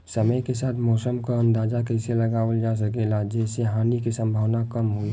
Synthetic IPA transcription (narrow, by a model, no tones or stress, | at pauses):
səməjkesaːt̪ʰmɔːsəmkaə̃nd̪aːd͡ʒakɛɪseləɡaːwəld͡ʒas̬əkelad͡ʒɛːseɦaːnikisə̃mbʱəʋnakəmɦo